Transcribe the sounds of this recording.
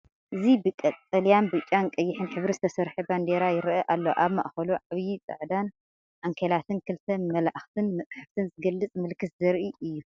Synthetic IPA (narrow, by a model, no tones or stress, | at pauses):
ʔɨzibɨkʼɐt̪ʼɐljanbɨt͡ʃʼːankʼɐjːɪħɨnħɨβɾizɨt̪ʰɐsɐɾħɨband̪eɾajɪɾʔɐʔalːoʔaβma̰ʔxɐluʕaβjit͡sʼɐ̰ʕd̪an | ʔaŋkʰelat̪ʰɨnkʰɨlt̪ʰɐmɐlaʔxt̪ʰɨnmɐt͡sʼħɨft̪ʰɨnzɨɡɐlːɨt͡sʼmɨlkʰːɨszɐɾʔiʔɨjːu